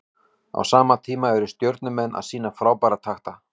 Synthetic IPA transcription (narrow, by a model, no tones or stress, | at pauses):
a̰wsaːmat̪ʰiːmaɛɾʏst̪jœwɾt̪̚nʏmɛnːʔa̰ðsiːnafɾaːwpaːɾat̪ʰaxt̪a